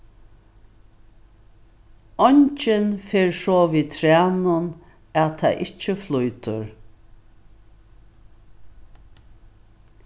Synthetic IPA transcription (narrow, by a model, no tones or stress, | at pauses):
ɔɲt͡ʃɪnfeːɹsoːʋiːt̪ʰɾæːnʊn | æt̪ʰa̰ʔɪt͡ʃəflujt̪ʊ̰ɹ